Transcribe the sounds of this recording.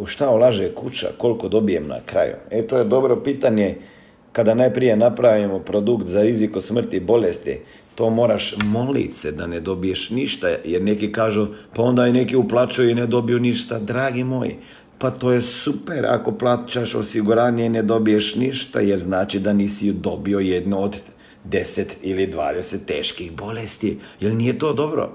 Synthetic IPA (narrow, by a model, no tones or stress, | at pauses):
uʃt̪aolˠaʒekut͡ʃa̰ko̞lko̞d̪o̞bijemna̰kɾa̰jṵet̪oːjed̪o̞bɾopiːt̪aɲe | kad̪anajpɾije̞napɾaʋimopɾo̞d̪ukt̪zaɾizikosmr̩t̪ibo̞lest̪ḭ | t̪o̞ːmo̞ːɾaʃmo̞lḭt̪sed̪aned̪o̞bije̞ʃniʃt̪ajeɾne̞kikaːʒupao̞nd̪ajinekiuplˠat͡ʃujuined̪o̞bijuniʃt̪ad̪ɾaːɡimoːjḭ | pat̪o̞ːje̞supeɾa̰koplˠaːt͡ʃaʃo̰siɡuɾaːnjened̪o̞bijeʃniʃt̪a̰jeɾznaːt͡ʃid̪aniːsid̪o̞biojed̪nood̪ | d̪e̞set̪ilid̪ʋaːd̪eset̪ːeːʃkixbo̞lest̪ijelnijet̪o̞ːd̪o̞bɾo̰